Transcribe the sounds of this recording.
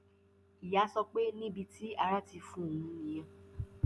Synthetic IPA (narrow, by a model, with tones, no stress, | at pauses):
i˨ja˨˦sɔ˧k͡pe˦nĩ˦bi˧tʰi˦a˧ɾa˦ti˧fũ˦o˨ũ˧ĩ˨jã˧˨